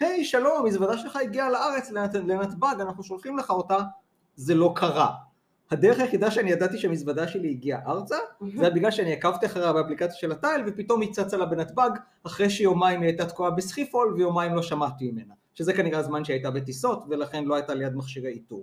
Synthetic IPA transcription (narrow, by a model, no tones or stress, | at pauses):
hejʃalo̞mamisvadaʃelχaiɡialaaʁe̞t͡sllenatbaɡanaχnuʃo̞lχimleχao̞ta | zelo̞kʰaʁa | had̪eʁeχajeχidaʃeanijadat̪iʃeamisvadaʃe̞liːɡiaʔaʁt͡saeabiɡlalʃeaniakavtiaχaʁeabeaplikat͡sjaʃe̞latajlvepito̞mit͡sat͡salabenat̪baɡ | aχʁejʃejo̞maimiajtat̪kuabesχifo̞lvejo̞maimlo̞ʃamatimime̞na | ʃezekaniʁazmanʃeajtabetiso̞tve̞laχe̞nlo̞ajtalejad̪maχʃiʁeitu